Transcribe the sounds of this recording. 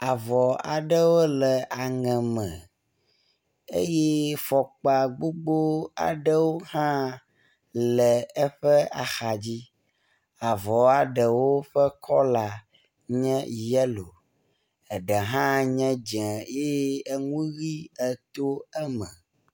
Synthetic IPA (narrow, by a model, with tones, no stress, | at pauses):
a˨vɔ˨a̰˨ɖə˦wo˦lɛ˨ʔa˨ŋɛ̃˨mɛ̃˨ | ḛ˦jɛ˦fɔ˨k͡pa˨ɡ͡bo˦ɡ͡bo˦a̰˨ɖə˦wo˦hã˦ | lɛ˨ɛ˦ɸɛ˦a̰˨xa˨d͡ʑi˦ | a˨vɔ˨a˨ɖə˨wo˦ɸɛ˦kʰɔ˦la˨ | ɲɛ̃˦jɛ˦lo˨ | ɛ˨ɖɛ˨ɦã˦ɲɛ̃˦d͡ʒɛ̃˨je˦ɛ˦ŋũ˦ɣi˦ɛ˨t̪o˦ɛ˦mɛ̰̃˨